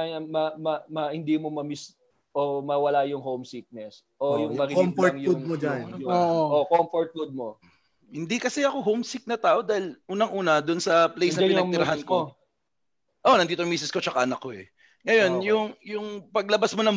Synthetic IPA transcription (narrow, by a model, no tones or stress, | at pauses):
aɐmɐmɐmɐhɪnd̪iːmomɐmis | ʔomɐwɐlajʊŋɦowmsik̚nɛs | ʔojʊŋbɐɡmoɐŋjud̚mod͡ʒanjʊookomfoɹt̪̚fud̪̚mo | hɪnd̪ikɐsɛɐko̞ɦowmsik̚nɐt̪aːʔo̞d̪aːhɪlʔuːnɐŋʔuːnɐd̪ʊnsɐplejsnpɪnɐɡnɪɾɐɦanko | ʔo̞nɐnd̪iːt̪oʔmiːsɪsko̞t͡ʃɐkanɐkoɛ | ŋɐjo̞njʊŋjʊŋpɐɡ̚lɐbasmonɐm